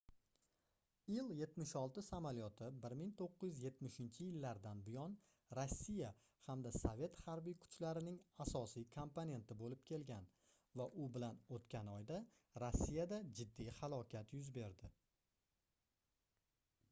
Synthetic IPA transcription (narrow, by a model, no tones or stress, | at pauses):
ɪjɪlje̞t̪mɪʃɒlˠt̪ɪsamaljɒt̪ʰɪbɪɾmɪŋt̪ʰoqːɨjɪzje̞t̪mɪʃɪnt͡ʃʰɪjɪlːaɾd̪anbɪjɒn | ɾosːija | hamd̪asove̞t̪haɾbijkʰʊ̥t͡ʃlaɾɪnɪŋasɒsijkʰompone̞nt̪ɪbolɪpkʲʰe̞lɡʲan | vaʔʊbɪlanot̪kʲʰanɒjd̪a | ɾosːijad̪ad͡ʒɪd̪ːijhalˠɒkʲʰat̪jʊzbe̞ɾd̪ɪ